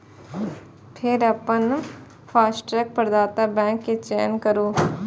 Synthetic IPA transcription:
pʰɪɾɐpən | pʰaːsʈɾɛːk̚pɾəd̪aːt̪abɛ̃ːŋkːet͡ʃeːnkəɾoː

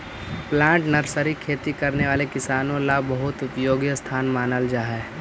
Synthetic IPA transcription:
plãːɳʈnɐɾsəɾikʰeːt̪ikɐɾneʋaːlekɪsaːnõlabɐɦʊt̪ʊpjoːɡjəst̪ʰaːnmaːnəld͡ʒaːɦɛ

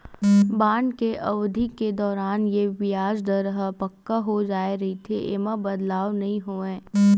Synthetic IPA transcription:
bãːɳɖkeʔɐʋd̪ʱikːed̪ɔːɾaːnjeʋɪjaːd͡ʒd̪ɐɾəɦəpɐkːaɦod͡ʒaːeɾɐɦit̪ʰeʔeːmabɐd̪laːʋnɐɦĩɦoːẽː

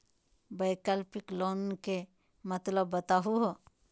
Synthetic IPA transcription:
bəɪkəlpɪklɔːnke | mət̪ləbːət̪aɦuɦo

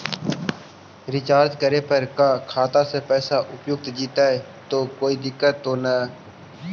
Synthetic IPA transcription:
ɾɪt͡ʃaːɾt̪kəɾeːpəɾkaːkʰaːt̪aːsepɛːsaːʔʊpjʊk̚t̪d͡ʒiːt̪aːɦɛː | t̪oːkoːiːd̪ɪkːət̪ːoːnaː

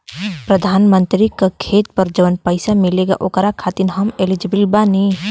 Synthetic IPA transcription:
pɾəd̪ʱaːnmə̃nt̪ɾikakʰeːt̪pəɾd͡ʒɐʋənpəɪsamɪleɡa̰ʔoːkɾakʰaːt̪inɦɐmelid͡ʒəbəlbaːni

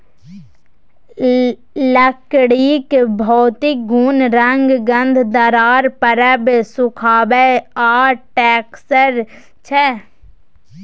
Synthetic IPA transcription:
ləkɽiːkbʱɔːt̪ɪk̚ɡuːnɾəŋɡɡə̃nd̪ʱd̪əɾaːɾpəɾəbsʊkʰaːbeaːʈɛːksəɾ | t͡ʃʰɛ

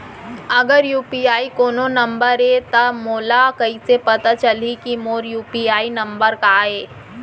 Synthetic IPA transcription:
ɐɡəɾjuːpiaːikoːnonɐ̃mbəɾet̪ɐmoːlakɐisepɐt̪at͡ʃɐlikimoːɾjuːpiaːinɐ̃mbəɾkaeː

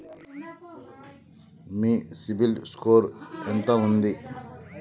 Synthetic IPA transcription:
miːsibilskoːɾent̪ɐund̪i

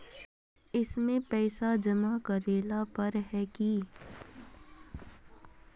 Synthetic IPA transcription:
ɪsmẽpɛːsad͡ʒɐmakɐɾeːlapɐɾɦɛki

